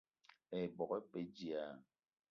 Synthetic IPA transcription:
ɛ˨bɔ˨kɛ˦pe˦d͡ʒi˨a˨

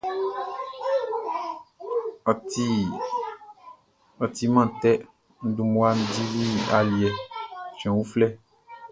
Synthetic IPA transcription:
ti˦ | ɔ˨t̪i˨mã˦t̪ɛ˦ | n̩˦d̪u˨mũ˦a˦ñ̩˦di˦vi˦a̰˨li˨ɛ˨t͡ʃɛ̃˨wu˦flɛ˦

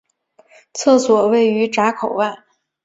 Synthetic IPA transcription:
t͡sʰɤ˥˩swɔ˨˩we˥˩ɪy˧˥ʈ͡ʂa˧˥kʰo˨˩ʊwa˥˩n

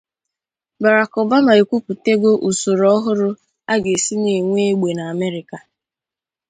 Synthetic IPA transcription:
ba˨ɾa˨kɔ˨ba˦ma˨e˨kʷu˦pu˨te˦ɡo˦ʔu˨so˨ɾɔ˦ɦʊ˦ɾʊ˦ | a˦ɡe˨si˦ne˨ŋʷe˦e˦ɡ͡be˨na˨me˦ɾɪ˨ka˨

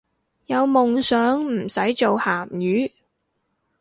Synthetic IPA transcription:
jɐ˨˧wmʊ˨ŋsœː˨˥ŋm̩˨˩sɐ˨˥jt͡ʃo˨whaː˨˩mjyː˨˥

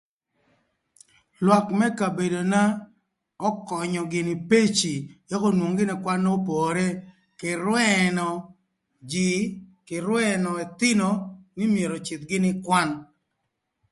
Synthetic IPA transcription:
lwɔ˨kmɛ˦ka˨be˨do˨na˦ | ɔ˦kɔ˨ɲɔ˨ɡɪ˨nɪ˨pe˦t͡ʃi˨ja˦ko˦nwo˨ŋɡɪ˦nɪ˨kwa˦nːɔ˦po˨ɾe˦ | kɪ˨ɾwɛ˦nɔ˨ | d͡ʒi˨kɪ˨ɾwɛ˦nɔ˨ɛ˨t̪ɪ˦no˨nɪ˦mje˨ɾo˨t͡ʃɪ˨t̪ɡɪ˦nɪ˦kwa˦n

